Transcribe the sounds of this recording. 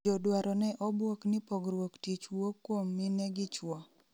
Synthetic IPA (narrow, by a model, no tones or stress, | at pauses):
odwaɾɔnɛʔɔbwoknɪpoɡɾwoktit͡ʃwokːwomːinɛɡɪt͡ʃwɔ